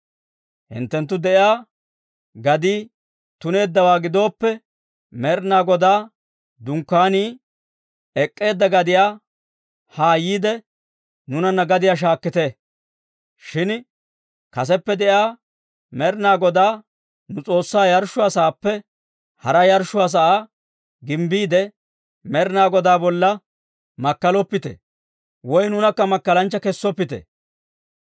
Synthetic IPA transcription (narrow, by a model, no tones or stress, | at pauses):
hɪ̰nt̪ːɛnt̪ːʊd̪ɛʔaː | ɡɐd̪iː | t̪ʊne̞ːd̪ːɐwaːɡɪd̪o̞ːpːɛ | mɛɾnaːɡɔd̪aː | d̪ʊŋkːaːniː | ɛkʼːe̞ːd̪ːɐɡɐd̪ɪjaː | haːjiːd̪ɛ | nʊnɐnːɐɡɐd̪ɪjaːʃ̬aːkːɪt̪e | ʃɪn | kɐs̬ɛpːɛd̪ɛʔaː | mɛɾnaːɡɔd̪aː | nʊt͡sʼo̞ːsːaːjɐɾʃːʊasɐːpːɛ | hɐɾɐjɐɾʃʊas̬ɐʔaː | ɡɪmbiːd̪ɛ | mɛɾnaːɡɔd̪aːbɔlːɐ | mɐkːɐlɔpːɪt̪ɛ̰ | wɔjnʊnɐkːɐmɐkːɐlɐnt͡ʃːɐkɛsːɔpːɪt̪ɛ̰